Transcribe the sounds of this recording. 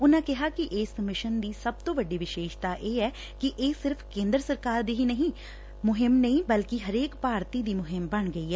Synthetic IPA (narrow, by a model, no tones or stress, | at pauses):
ʊnãːkɛɦakiʔeːsəmɪʃənd̪iːsɐb̚t̪oːʋəɖiʋɪʃeːʃt̪aʔeːɛː | kiʔeːsɪɾfʰkẽːnd̪ɾəsəɾkaːɾd̪iːɦinəɦĩ | mʊɦɪmnɐɦĩbɐlkiɦɐɾeːkpaːɾt̪id̪iːmʊɦɪmbɐɳɡəiɦɛː